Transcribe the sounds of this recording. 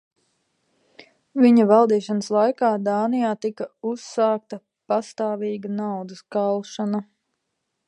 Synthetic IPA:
viɲɐvɑlˠd̪iːʃanəslˠajkaːd̪aːnijaːt̪ikɐusːaːk̚t̪ɐ | past̪aːviːɡɐnawd̪ɐskalˠʃana

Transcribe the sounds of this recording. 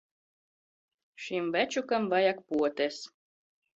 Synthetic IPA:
ʃimvæt͡ʃukamvajak̚puɔt̪ʲæs

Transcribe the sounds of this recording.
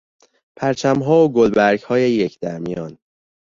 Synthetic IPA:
pʰæɾt͡ʃʰæmɦɒːoɡolbæɾɡhɒːjejecʰd̪æɾmijɒːn

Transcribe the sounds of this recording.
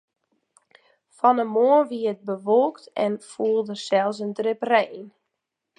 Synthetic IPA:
fɔnəmoənʋiət̚bəʋolˠktɛ̰nfuəlˠdəsɛlˠs̬əndrɪprɛːn

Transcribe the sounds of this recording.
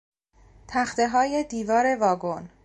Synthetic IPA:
t̪ʰæxt̪e̞ɦɒːje̞d̪iːvɒːɾe̞vɒːɡon

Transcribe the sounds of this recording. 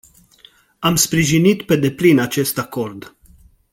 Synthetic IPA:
amspɾiʒinit̪pe̞d̪e̞plinat͡ʃe̞st̪ako̞rd̪

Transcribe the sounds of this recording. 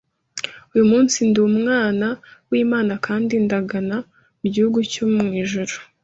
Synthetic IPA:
ujumuːnsinduːmŋaːnawiːmaːnakʰaːndindaɡana | muɟihuɡucomŋiːʒuɾu̥

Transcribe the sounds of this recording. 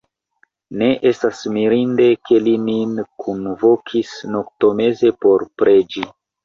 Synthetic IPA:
ne̞ʔe̞stasmiɾinde̞kʰe̞lininkʰunvokʰisnok̚to̞me̞ze̞po̞ɾpɾʔe̞d͡ʒi

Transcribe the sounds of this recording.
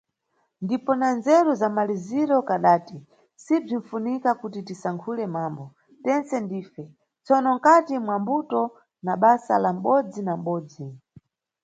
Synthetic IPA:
ndipɔnanzɛɾuzamaliziɾɔkaɗaːti | sib͡ʐiɱ̩funikakutitisaŋkʰulɛmambɔ | tɛnt͡sɛndiːfɛ | t͡sɔnɔŋ̩katimwambutɔ | naɓasa̰lam̩ɓɔd͡zinam̩ɓɔːd͡zi

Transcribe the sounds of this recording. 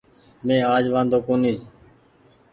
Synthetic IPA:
mẽːaːd͡ʒʋãːnd̪oːkoːniː

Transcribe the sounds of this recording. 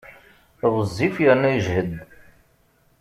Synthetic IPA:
ðˤəzˤːifjəɾnæjʒhəd̪

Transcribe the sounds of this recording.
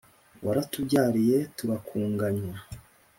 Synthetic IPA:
waɾatubɟaːɾije̞tuβakʰuːŋɡaɲwa

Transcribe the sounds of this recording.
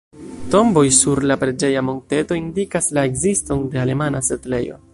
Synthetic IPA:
to̞mbo̞jsuɾlapɾe̞d͡ʒe̞jamo̞nte̞to̞indikaslae̞kzisto̞nde̞ale̞manasetle̞jo̞̰

